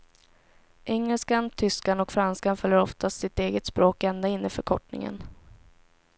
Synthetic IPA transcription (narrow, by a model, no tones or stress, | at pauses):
ʔɛŋːəlskant̪ʰʏskanɔkfɾanskanfœljəɾɔft̪asɪt̪eːɡət̪spɾoːkɛnd̪aɪnːəfœɾkʰɔʈnɪ̰ŋə̰n